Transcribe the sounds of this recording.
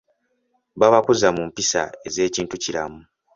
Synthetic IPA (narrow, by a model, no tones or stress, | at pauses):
βaβakuzamumpisa̰e̞ze̞ːciːntuciɾa̰mu